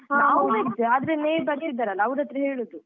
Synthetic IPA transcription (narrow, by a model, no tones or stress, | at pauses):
ɦaɐʋɾɐd̪uaːd̪ɾeneːjbɐɾt̪id̪ːaːɾɐlːɐɐʋɾɐt̪ɾɐɦeːɭud̪u